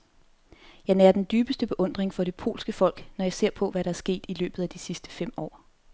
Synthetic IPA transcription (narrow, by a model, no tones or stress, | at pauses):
jɑ̈ɪnæɐd̥end̥yːb̥əsd̥əb̥e̝ʔɔ̽n̰d̥ʁeŋfɒ̽ɾe̝pʰo̝̰ːlsɡ̥əfɒ̽l̰ɡ̥nɒjɑ̈ɪse̝ɐ̰pʰɒ̽ʋæɾɑ̈æɐsɡ̥e̝̰ːd̥ilø̰ːb̥ð̩ˠæd̥isisd̥ə̥fem̰ɒ̰ː